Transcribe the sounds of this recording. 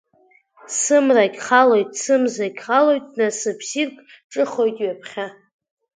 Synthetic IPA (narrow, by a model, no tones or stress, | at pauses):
sɨmrakʲχalo̞jtʼsɨmzakʲχalo̞jtʼnasɨpʰsirkʼ | ʈ͡ʂʼɨχo̞jtʼɥapʰχʲa